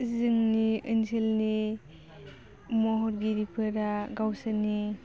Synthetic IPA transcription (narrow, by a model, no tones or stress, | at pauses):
zɯŋniɯnsʰelni | mɔɦɔɾɡiɾipʰɯɾaɡawsani